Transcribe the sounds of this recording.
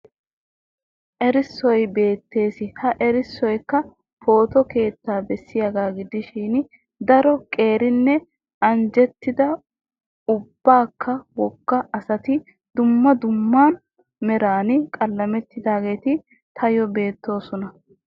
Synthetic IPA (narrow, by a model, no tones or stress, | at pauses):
ʔɛɾɪsːɔjbe̞ːt̪ːe̞ːsɪhɐʔɛɾɪsːɔjkːɐ | fo̞ːt̪ɔke̞ːt̪ːaːbɛsːɪjɐɡaːɡɪd̪ɪʃiːn | d̪ɐɾɔkʼe̞ːɾɪnːɛ | ɐnd͡ʒɛt̪ːɪd̪ɐ | ʊb̥ːaːkːɐwɔkːɐʔɐsɐt̪ɪ | d̪̥ʊmːɐd̪ʊmːaːn | mɛɾaːnɪkʼɐlːɐmɛt̪ːɪd̪aːɡe̞ːt̪ɪ | t̪ʰɐjɔbe̞ːt̪ːo̞ːsɔnɐ